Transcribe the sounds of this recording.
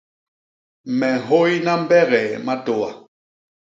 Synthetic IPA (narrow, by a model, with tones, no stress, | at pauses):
mɛ˨ɦo˦ji˦na˦m̩˦bɛ˦ɣɛ˨ma˦to˨wa˨